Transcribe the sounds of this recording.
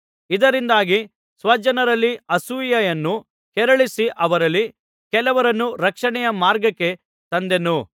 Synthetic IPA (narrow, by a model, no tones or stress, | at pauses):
id̪ɐɾind̪aːɡi | sʋɐd͡ʒɐnɐɾɐlːiɐsujɐjɐnːu | kɛɾɐɭisiʔɐʋɐɾɐlːi | kɛlɐʋɐɾɐnːuɾɐkʂɐɳɛjɐmaːɾɡɐkːe̞ | t̪ɐnd̪e̞nu